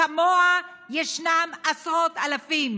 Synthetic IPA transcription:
amoa | jeʃnamasot̪alafim

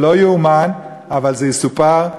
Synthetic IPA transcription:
lojuuman | avalzejesupaʁ

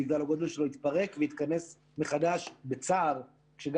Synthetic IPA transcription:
iɡdalaɡod̪lʃeloit̪paʁe̞kvejit̪kane̞s | meχad̪aʃbet͡saːʁ | kʃeɡ

